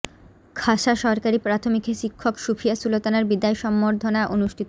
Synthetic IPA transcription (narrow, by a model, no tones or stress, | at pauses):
kʰaʃaʃɔɾkaɾipɾat̪ʰomikʰeʃikʰːokʃufʰijasulot̪anaɾbid̪aeʃɔmːoɾd̪ʱonaʔonuʃʈʰit̪